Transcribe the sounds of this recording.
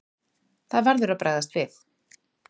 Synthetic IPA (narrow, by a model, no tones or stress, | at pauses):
θavaɾðʏɾapɾʔaðast̪veθ